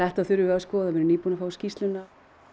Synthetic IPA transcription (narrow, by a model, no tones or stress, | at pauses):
ɛht̪aðθʏɾʏvɛɣaskɔːðavɪɾʏniːpunafaːwscist̪lʏnːa